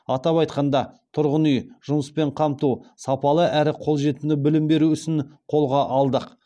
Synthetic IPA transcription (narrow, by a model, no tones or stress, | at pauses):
ɑt̪ɑpɑjt̪qɑnd̪ɑt̪ʰʊɾʁənʏjʒ̥ʊməspe̞ɴqʰɑmt̪usɑpɑlˠəʔæɾɪqʰo̞lˠʒe̞t̪unɪbɪlɪmbe̞ɾuʏʃɪnqʰo̞lˠʁɑʔɑlˠd̪əq